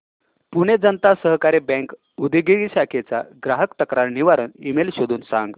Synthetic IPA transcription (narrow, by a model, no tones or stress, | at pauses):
puɽ̃ed͡zənt̪asəɦkaɾebɛ̃ŋk | ud̪ʱiɡiɡiɕakʰet͡sa̰ɡɾaɦəkt̪əkɾaɾniʋaɾənimelɕod̪ʱuːnsã̰ŋɡ